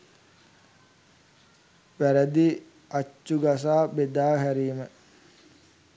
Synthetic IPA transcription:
ʋæɾæd̪i | at͡ʃːuɡas̬aːbed̪aːɦæɾiːmə

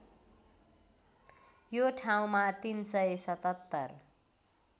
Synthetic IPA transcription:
joʈʰaw̃mat̪insʌesʌt̪ʌt̪ːʌr

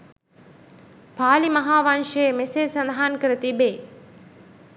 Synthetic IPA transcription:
paːlimɐɦaːʋanʂəjemeseːsɐnd̪aɦankəɾət̪ibeː

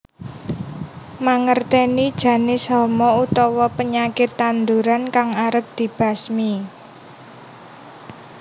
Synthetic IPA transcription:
maŋərt̪ɛnid̥ʒ̥ä̤nɪsɔmɔut̪ɔwɔpəɲakɪt̪ːand̪uɾankaŋaɾəp̚d̪̥i̤b̥a̤smi

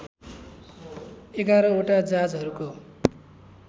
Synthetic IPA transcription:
eɡaɾʌoʈad͡zad͡zɦʌɾuko

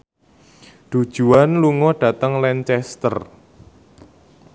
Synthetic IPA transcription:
ɖ̪̥ud̥ʒ̥ṳanluŋɔɖ̥ä̤t̪əŋlɛnt͡ʃɛst̪ə̰r

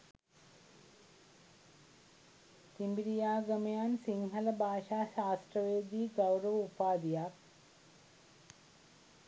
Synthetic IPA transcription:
t̪imbiɾijaːɡɐmɐjaːnsiŋɦɐlɐbʱaːʃaːʃaːsʈ̪ɾɐʋeːd̪iːɡɐwɾɐʋupaːd̪ijaː

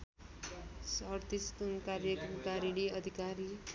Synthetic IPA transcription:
sʌɾt̪ist̪unkaɾjʌkmkaɾiɽiʌd̪ʱikaɾi

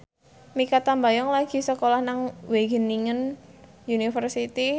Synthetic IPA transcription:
mikat̪ambajɔŋlaɡ̥i̤səkolahnaŋweɡəniŋən | junifərsit̪i

